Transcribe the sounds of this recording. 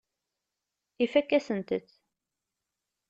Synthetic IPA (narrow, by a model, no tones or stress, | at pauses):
ifækːæsənt̪əθ